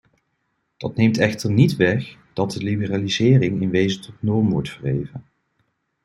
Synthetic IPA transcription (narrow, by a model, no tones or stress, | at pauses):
d̥ɑtnejmtɛχtəɹnitʋɛχd̥ɑt̚dəlibəraːlizɪːrɪŋɪnʋejzətʰɔtnɔɹmʋɔ̰ɹtfərɦejvən